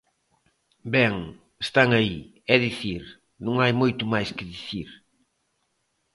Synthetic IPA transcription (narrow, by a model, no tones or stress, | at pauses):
bɛŋ | est̪aŋɐi | ɛðiθiɾ | nũŋajmojt̪ʊmajskɪðiθiɾ